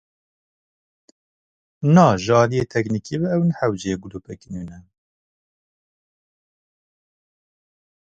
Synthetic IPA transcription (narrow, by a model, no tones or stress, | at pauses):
nɑːʒɑːlijeːt̪ʰɛknikibɛɛwnħæwd͡ʒeɡuluːpɛkinunɛ